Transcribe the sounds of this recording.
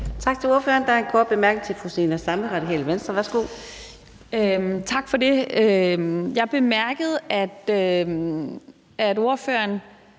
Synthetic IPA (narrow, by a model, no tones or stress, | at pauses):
t͡sʰɑ̈ɡ̥̚t͡sʰe̝loɐfø̰ːɐnd̥ɑɐenkʰɔːd̥̚b̥e̝mæɐɡ̥ət͡sʰe̝fʰʁusḭːnɐsɑ̈mləʁɑ̈d̥ikʰɛ̰ːləʋensd̥ʁɐʋæɐsɡ̥o̝̰ | ømt͡sʰɑ̈ɡ̥fɒde̝øjɑ̈ɪb̥e̝mæɐɡ̥əð̞̩ˠæd̥ø | ʔædo̝ɐfø̰ɐn